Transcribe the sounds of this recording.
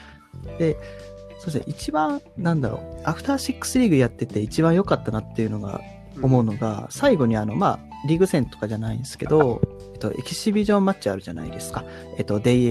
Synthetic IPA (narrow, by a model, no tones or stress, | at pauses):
d̪̥e̞so̞ːd̪esʔit͡ɕibãɰ̃nãnd̪aɾo̞̰aɸɯ̟̥t̪aːɕikːɯ̥sɨɾʲiɡɯ̟jat̪ːe̞t̪e̞it͡ɕibãɰ̃jo̞kat̪ːanat̪ːe̞jɯ̟no̞ɡa̰ | o̞mo̞ɯ̟no̞ɡa̰saiɡo̞ɲ̟iano̞maː | ɾʲiɡɯ̟sẽ̞nt̪o̞̥kaʑanaĩnsɨ̥ke̞̰d̪o̞ | et̪ːo̞̰ʔe̞̰kʲiɕibʲiʑõ̞mmːat͡ɕiaɾɯ̟ʑana̰ḭd̪e̞sɨ̥ka | e̞t̪ːo̞d̪e̞